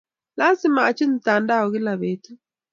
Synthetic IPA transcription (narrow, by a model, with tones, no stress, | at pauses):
la˦si˦maː˨t͡ʃi˦n˨ta˨nda˦ɔ˨ɣi˦la˨βe˨˦tu˦